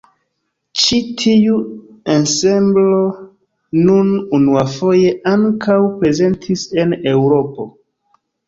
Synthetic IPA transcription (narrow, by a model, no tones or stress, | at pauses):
t͡ʃitʰiu | ansemblo̞ | nununuafoje̞ʔaŋkawpɾe̞ze̞ntʰise̞ne̞wɾo̞po̞